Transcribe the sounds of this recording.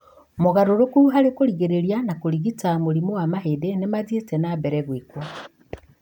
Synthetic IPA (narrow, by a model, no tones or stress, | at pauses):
moɣaɾoɾokuɦaɾekoɾiɣeɾeɾianakoɾiɣitamoɾimowamaɦeːdenemazietɛnabɛɾɛɣwikwɔ